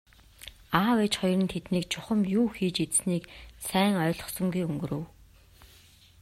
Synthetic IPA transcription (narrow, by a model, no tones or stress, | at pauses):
aːwet͡ɕχɔjrə̆nt̪ʰet̪niːkt͡ɕʰʊχə̆mjuːxiːt͡ɕet͡sniːksæːŋœːɮɞ̆χsɞ̆ŋɡujɵŋɡɵ̆ɾŏw